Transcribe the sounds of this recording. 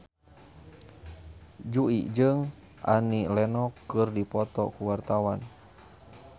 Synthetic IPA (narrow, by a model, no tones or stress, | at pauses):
d͡ʒuḭʔd͡ʒɨŋ | ʔa̰nilɛnɔkːɨrdipɔt̪ɔ̰kuwart̪awan